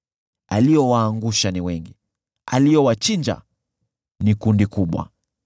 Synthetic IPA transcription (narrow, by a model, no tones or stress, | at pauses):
alijɔwaːŋɡuʃaniwɛŋɡi | a̰lijɔwat͡ʃiɲd͡ʒa̰ | nikundikuɓwa̰